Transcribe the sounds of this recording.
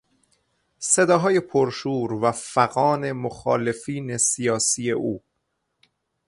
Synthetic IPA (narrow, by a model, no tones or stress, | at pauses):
se̞d̪ɒːɦɒːje̞pʰoɾʃuːɾvæfæɣɒːne̞moxɒːle̞fiːne̞sijɒːsiːje̞ʔuː